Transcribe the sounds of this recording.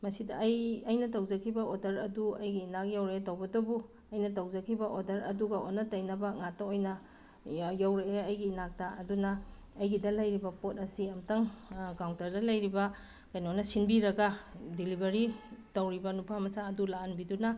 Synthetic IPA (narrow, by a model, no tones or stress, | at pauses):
mɐsidɐːjɐjnɐtɐwzɐkʰibɐodɐɾɐduɐjɡiːnak̚jawɾeetɐwbɐdɐbu | ɐjnɐtawzɐkʰibɐʔodɐɾɐduɡɐo̰nːɐtɐjnɐbɐŋatːɐojnɐ | jawɾeːjɡiːnak̚taɐdunɐː | jɡidɐlɐjɾibɐpot̚ɐsiɐmtɐŋɡawŋtɐɾdɐlɐjɾibɐ | kajnionɐsinbiɾɐɡɐdilibɐɾitɐwɾibɐnupʰamɐsaɐdulaɐnbidunɐ